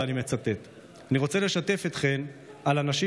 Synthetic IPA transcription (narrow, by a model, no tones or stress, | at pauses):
anime̞t͡sat̪e̞t̪ | aniʁo̞t͡se̞le̞ʃat̪e̞fet̪χe̞nalanaʃi